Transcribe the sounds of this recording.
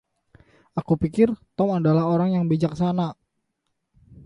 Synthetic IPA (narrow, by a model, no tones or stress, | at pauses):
ʔakupikɪrt̪ɔmadalaɦoɾaŋjaŋbid͡ʒak̚sana